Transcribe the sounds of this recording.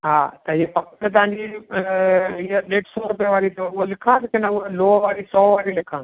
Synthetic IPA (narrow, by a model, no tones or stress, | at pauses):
ɦaːt̪ɐɪɦepɐkʈt̪̬ɐʋãːɲd͡ʑi | ɪeleːʈsoːɾʊpijəʋaːɾit̪oʊolɪkʰãt̪ɐkɪnɐloːʋaːɾisɔːʋaːɾilɪkʰãː